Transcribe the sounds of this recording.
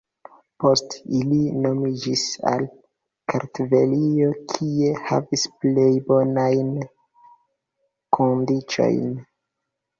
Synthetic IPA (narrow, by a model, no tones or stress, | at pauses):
po̞stilino̞mid͡ʒisa̰l | kʰaɾtvelio̞kʰie̞ha̰visplejbo̞najn | kʰondit͡ʃo̞̰jn